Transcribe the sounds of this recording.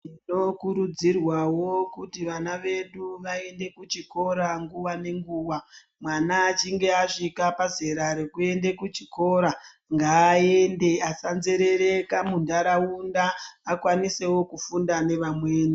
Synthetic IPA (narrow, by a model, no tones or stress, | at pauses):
ino̞kuɾud͡zirwawo̞kutiʋanaʋe̞ɗuʋae̞nde̞kut͡ʃiko̞ɾaŋɡuʋane̞ŋɡuːʋa | mwanaːt͡ʃiŋɡe̞aʂikapaze̞ɾaɾekue̞nde̞kut͡ʃiko̞ɾa | ŋɡaːe̞nde̞asanze̞ɾe̞ɾekamundaɾaundaːkwanise̞wo̞kufundane̞ʋamweːni